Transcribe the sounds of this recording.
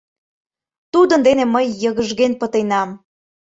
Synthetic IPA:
t̪ud̪ə̆nd̪eneməjːɤɣəʒɣenpət̪enɑm

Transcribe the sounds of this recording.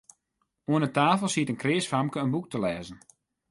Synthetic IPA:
uənətaːfəlˠsiətənkrɪːsfamkəənbuk̚təlɛːzən̩

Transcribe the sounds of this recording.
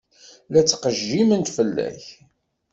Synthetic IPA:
læt͡sːqəʒːimənt̪fəlːæ̰ç

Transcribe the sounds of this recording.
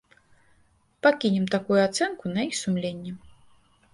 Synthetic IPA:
pakʲinʲɛmt̪akujuat̪sɛnkunɐjixsumlʲenʲːɛ

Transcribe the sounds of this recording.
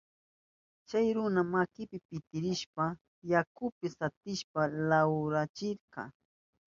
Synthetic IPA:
t͡ʃajɾʊnamakɪpɪpɪt̪ɪɾɪʃpa | jakʊpɪsat̪ɪʃpalawɾat͡ʃɪɾqɑ̰

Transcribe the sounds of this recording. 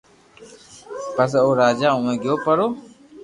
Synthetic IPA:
pəsoːɾaːd͡ʒaːũːẽːɡɪjoːpəɾoː

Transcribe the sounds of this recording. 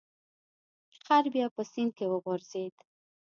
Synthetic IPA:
qaɾbjɑpəsin̚kewəɣoɾzed̪

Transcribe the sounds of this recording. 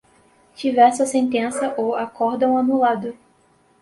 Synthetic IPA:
t͡ʃivɛɾsɐsẽnt̪ẽsɐʔowakɔɾd̪ɐ̃w̃anulad̪ʊ

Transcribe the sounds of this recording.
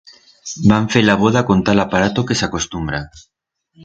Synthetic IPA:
baɱfelaβ̞oðako̞nt̪alapaɾat̪okesako̞st̪umbɾa

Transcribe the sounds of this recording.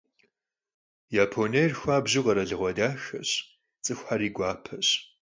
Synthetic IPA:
jaːpʰoneːrxʷaːbʑɪqɐɾɐɮɨʁʷɔdaːxɐ̰ɕ | t͡sʼɨxʷħaɾiːɡʷɑːpʰɐɕ

